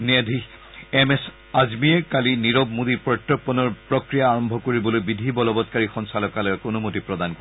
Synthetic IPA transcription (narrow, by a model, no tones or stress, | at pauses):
ned̪ʱi | ɛmɛs | azmiɛkaliniɹɔbmud̪ipɹɔtːɔpːɔnɔɹpɹɔkɹijaːɹɔmbʱɔkoɹibɔlojbidʱibɔlɔbɔtkaɹixɔnsalɔkalɔkonumotipɹɔdankɔ